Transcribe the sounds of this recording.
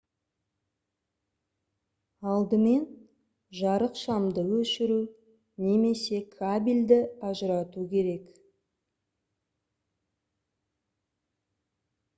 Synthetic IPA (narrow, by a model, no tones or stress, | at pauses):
ɑlˠd̪əme̞n | ʒɑɾəqʃɑmd̪əwɵʃɪɾu | ne̞me̞se̞kʰabilʲd̪ɪɑʒəɾɑt̪ukʲʰe̞ɾe̞k